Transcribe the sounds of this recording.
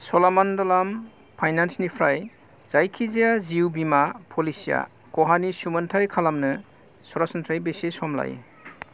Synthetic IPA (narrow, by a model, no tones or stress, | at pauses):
sɔlamandɔlam | pʰajnansnipʰɾaj | z̥ajkʰizijaziubimapʰɔlisija̰ | kɔɦanisuməntʰajkʰalamnɯ | sɔɾasɔntʰajbesesɔmla̰j